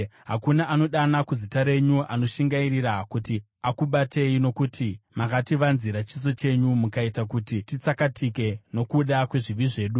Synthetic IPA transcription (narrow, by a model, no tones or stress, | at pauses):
ɦakunaʔano̞ɗanakuzitaɾe̞ɲuʔano̞ʃiŋɡairiɾakuti | akuɓate̞ino̞kutʰimakatiʋanziɾat͡ʃis̬o̞t͡ʃe̞ɲumukaitakutitit͡sakatike̞no̞kuɗakwe̞ʐiʋiʐe̞ːɗu